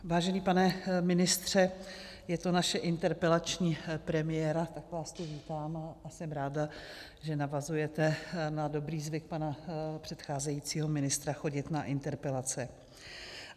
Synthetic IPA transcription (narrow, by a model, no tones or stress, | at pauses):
vaːʒɛniːpanɛmɪnɪst̪r̝̥ɛ | jɛt̪onaʃɛʔɪnt̪ɛɾpɛlat͡ʃɲiːpɾɛmɪjɛɾat̪akvaːst̪oviːt̪aːmasɛmɾaːda | ʒɛnavazujɛt̪ɛnado̞bɾiːzvɪk̚panapr̝̥ɛt̪xaːzɛjit͡siːɦo̞mɪnɪst̪ɾaxo̞ɟɪt̪naʔɪnt̪ɛɾpɛlat͡sɛ